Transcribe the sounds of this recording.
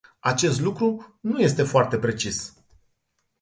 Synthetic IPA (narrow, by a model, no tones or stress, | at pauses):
at͡ʃe̞st̪lukɾunuje̞st̪e̞foart̪e̞pɾe̞t͡ʃis